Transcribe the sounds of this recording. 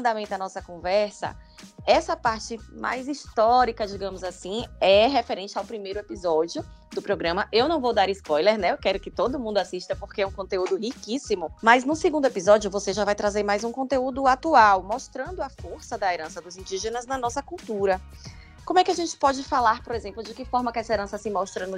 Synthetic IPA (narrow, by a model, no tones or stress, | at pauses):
d̪amẽnt̪ʊɐnɔsɐkõvɛɾsɐ̰ɛsɐpaɾt͡ʃɪmʔa̰jziʃt̪ɔɾikɐd͡ʒiɡɐ̃mʊzasĩɛɦefeɾẽnt͡ʃɪawpɾimejɾʊepizɔd͡ʒiʊ | d̪ʊpɾoɡɾɐ̃mɐʔewnɐ̃w̃vowd̪aɾɪspɔjleɾnɛkɛɾʊkɪt̪od̪ʊmũd̪ʊasiʃt̪ɐpoɾkeɛũkõnt̪eud̪ʊhikisĩmʊmɐznʊseɡũnd̪epizɔd͡ʒiʊvoseʒavajt̪ɾazeɾmajzũkõt̪eud̪ʊat̪uawmoʃt̪ɾɐ̃nd̪ʊɐfoɾsɐd̪ɐeɾɐ̃sɐd̪ʊzĩd͡ʒiʒenɐznɐnɔsɐkuwt̪uɾɐ | kõmʊɛkɪaʒẽnt͡ʃɪ̥pɔd͡ʒɪfalaɾpoɾezẽmplʊd͡ʒɪkɪfɔɾmɐkɪɛsɐeɾɐ̃sɐsɪmɔʃt̪ɾɐnʊ